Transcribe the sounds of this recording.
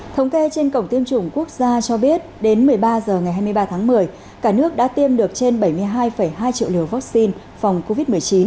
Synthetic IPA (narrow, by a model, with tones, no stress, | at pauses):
t̪ʰə˨˦wŋ͡mke˧t͡ɕe˧nkə̰˧˩wŋ͡mt̪i˧əmt͡ɕʊ˧˩ŋ͡mku˦˥ək̚zaː˧t͡ɕɔ˧ɓi˦˥ət̚ɗe˨˦nmɨ˨˩əjɓaː˧zəː˨˩ŋa˨˩jɦaː˧jmɨ˧jɓaː˧t̪ʰaː˨˦ŋmɨ˨˩əj | kaː˧˩nɨ˦˥ək̚ɗa̰ː˧˥t̪i˧əmɗɨ˨˩ək̚t͡ɕe˧nɓə˧˩jmɨ˧əjɦaː˧jfə˧˩jɦaː˧jt͡ɕḭ˧˨wli˨˩əwva˦˥k̚si˧n | fa˨˩wŋ͡mko˧vi˦˥t̚mɨ˨˩əjt͡ɕi˨˦n